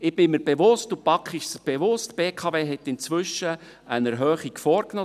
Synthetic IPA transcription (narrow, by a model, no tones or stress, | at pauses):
ɪb̥ɪmiɾb̥eʋʊstupɑkχɪʃsb̥eʋʊstb̥eːkʰɑveːɦɛt̪ːɪnt͡sʋʏʃə | ənəɾɦœːχikfɔːɾknoː